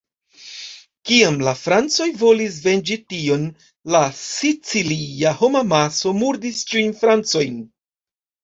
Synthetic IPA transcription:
kiamlafɾant͡so̞jvo̞lis̬ve̞nd͡ʒitio̞n | lasit͡siliaho̞mamaso̞muɾdist͡ʃijnfɾant͡so̞jn

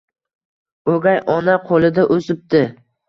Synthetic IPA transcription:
oɡʲajʔɒnaqʰolɪd̪aʔosɪp̚t̪ɪ

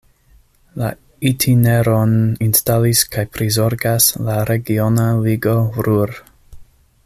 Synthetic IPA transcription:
la | itʰineɾoninstaliskajpɾizo̞ɾɡaslaɾe̞ɡionaliɡo̞vɾuɾ

